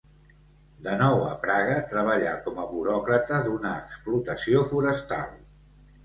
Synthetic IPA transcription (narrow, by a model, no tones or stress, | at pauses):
d̪ənɔwə̰pɾaɣ̞ət̪ɾəβ̞əʎakɔməβuɾɔkɾət̪əðunəːksplut̪əsiofuɾəst̪a̰lˠ